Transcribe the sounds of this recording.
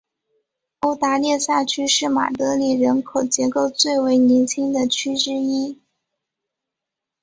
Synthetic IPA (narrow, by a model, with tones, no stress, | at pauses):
o˥ʊt̪a˧˥ljɛ˥˧ɕja˥˩t͡ɕʰy˥ʂɻ̩˥˩ma̰˨˩t̪ɤ˧˥li˨˩ɻə˧˥nkʰo˨˩ʊt͡ɕjɛ˧˥ko˥˧˩ʊt͡swe˥˩ɪwe˧˥ɪni˧˥nt͡ɕʰi˥ŋd̪ə˨t͡ɕʰy˥ʈ͡ʂɻ̩˥i˥